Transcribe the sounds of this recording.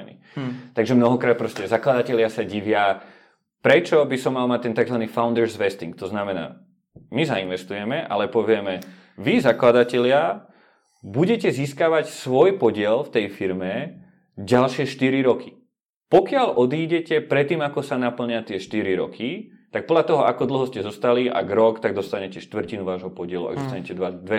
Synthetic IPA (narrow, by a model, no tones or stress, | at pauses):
nḭ | t̪aɡʒɛmnɔɦɔkɾaːt̪̚pɾɔscɛzaklad̪acɛʎɪasaɟiʋɪa | pɾɛt͡ʃɔbisɔmːalmac̚t̪ɛnt̪aɡzʋaniːfaʊnd̪ɛɾzʋɛst̪iŋk̚t̪ɔznamɛna̰ː | mizainʋɛst̪ujɛmɛʔa̰lɛpɔʋɪɛmɛ | ʋizaklad̪acɛʎɪa | buɟɛcɛziːskaːʋacsʋɔjpɔɟɪɛlft̪ɛjfiɾmɛ | ɟalʃɪɛʃt̪iɾiɾɔkʰi̥ | pɔkɪalʔɔd̪iːɟɛcɛpɾɛt̪ːiːmakɔsanapl̩ɲɪat̪ɪɛʃt̪iɾiɾɔ̰kʰi | t̪ak̚pɔd̪lʎat̪ɔɦɔakɔd̪l̩ɦɔscɛzɔst̪aliʔa̰ɡɾɔkt̪aɡ̚d̪ɔst̪aɲɛcɛʃt̪ʋr̩cinuʋaːʒɦɔpɔɟɪɛluʔa̰ɡd̪ɔst̪aɲɛcɛd̪ʋad̪ʋɛ